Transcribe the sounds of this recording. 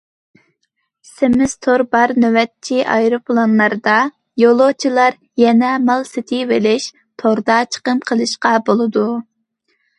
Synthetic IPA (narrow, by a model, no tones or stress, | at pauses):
semɪst̪ʰoɾbɑɾnøwɛt̪̚t͡ʃʰiʔɑ̰jɾopʰlˠonlˠɑɾd̪ɑ | jolˠot͡ʃʰilˠɑɾ | jɛnɛmɑlˠsɪt̪ʰɪvelɪʃ | t̪ʰoɾd̪ɑt͡ʃʰə̥qəmqʰəlˠɨʃqɑbolˠɨd̪u